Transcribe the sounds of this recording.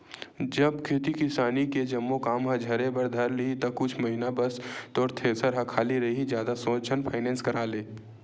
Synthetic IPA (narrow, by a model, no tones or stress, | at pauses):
d͡ʒəbkʰeːt̪ikɪsaːniked͡ʒɐmːokaːmɦə̃d͡ʒʱɐɾẽbəɾd̪ʱɐɾlit̪ɐkʊt͡ʃʰməɦinabəst̪ɔːɾt̪ʰesəɾɦɐkʰaːliɾɐɦid͡ʒjaːd̪asõːt͡ʃʰənpʰaːɪnɛːnskəɾaːleː